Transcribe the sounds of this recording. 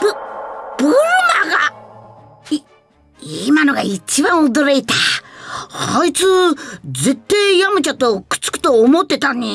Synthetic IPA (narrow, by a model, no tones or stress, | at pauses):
bɯb̥oɾnaɡa | i | imanoɡait͡ɕibãɰ̃od̪oɾeit̪a | hait͡sɨze̞t̪ːaijamɯ̟t͡ɕat̪okɯ̥t͡sɨ̥kɯ̥t̪o̞ːmot̪ːe̞t̪aɲi